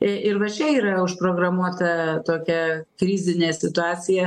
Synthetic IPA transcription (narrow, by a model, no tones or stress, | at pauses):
ʔɪɾʋɐt͡ʃʲɛiːɾɐʊʃpɾoːɡɾɐmuɔt̪ɐt̪oːkʲɛkɾʲiːzʲɪnʲeːsʲɪt̪ʊɑːt͡s̪ʲɪjɛ